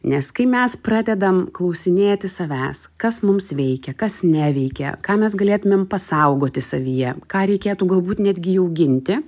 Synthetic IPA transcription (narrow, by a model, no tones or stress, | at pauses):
nʲɛskɐɪmʲɛsprɑːd̪ʲɛd̪ɐmklˠɐʊsʲɪnʲeːt̪ʲɪsɐʋʲæːskɐsmʊmsʋʲɛɪkʲɛkɐsnʲɛʋʲɛɪkʲɛ̰kɑːmʲɛsɡɐlʲeːt̪ʊmʲeːmpɐsɐʊɡoːt̪ʲɪsɐʋʲijɛkɑːɾʲɛɪkʲeːt̪uːɡɐlˠbuːt̪ʲnʲæːd̪ʲɡʲɪjɛʊɡʲɪnʲt̪ʲɪ